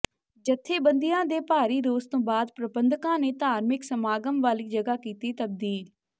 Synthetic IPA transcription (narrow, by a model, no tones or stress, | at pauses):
d͡ʒət̪ʰːeːbə̃nd̪ɪjãːd̪eːpaːɾiːɾoːzt̪õːbaːd̪pɾəbənd̪kãːneːt̪aːɾmɪksəmaːɡəmʋaːliːd͡ʒəɡaːkiːt̪iːt̪əb̚d̪iːl